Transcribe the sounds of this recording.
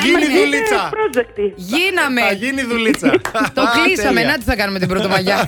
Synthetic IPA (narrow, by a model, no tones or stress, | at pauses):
ʝiniðulit͡sɐpɾod͡ʒekt̪iʝinɐmeʝiniðulit͡sɐɐt̪oklisɐme̞nɐt͡s̪i̥θɐkɐnumet̪ibɾot̪omɐʝɐ